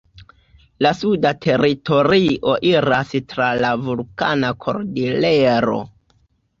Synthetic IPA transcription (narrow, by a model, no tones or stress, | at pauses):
lasudatʰe̞ɾito̞ɾiʔo̞ʔiɾastɾalavulkanakʰo̞̰ɾdileɾo̞̰